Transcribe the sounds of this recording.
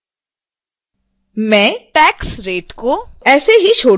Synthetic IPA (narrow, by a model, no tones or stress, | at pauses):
mɛ̃ːʈɛːksɾeːʈkoɛːseɦit͡ʃʰoː